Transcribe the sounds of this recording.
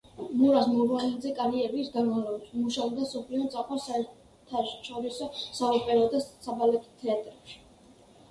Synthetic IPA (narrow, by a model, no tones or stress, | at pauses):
muɾasmɔɾaind̪zɛkʼaɾiɛbisɡanmavlɔbaʃmuʃaɔbd̪asɔpʰliɔnt̪sʼaqʼɔsaɛɾ | t̪ʰaʃɔɾisɔsaɔpʼɛɾɔd̪asabalɛt̪ʰt̪ʰɛat̪ʼɾɛpʃi̥